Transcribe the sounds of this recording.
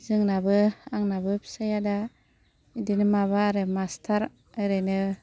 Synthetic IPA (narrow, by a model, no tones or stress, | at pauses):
zɯŋnabɯaŋnabɯpʰi̥sajada | idinɯmaβaɾɯmastʰaɾ | ɯɾɯnɯ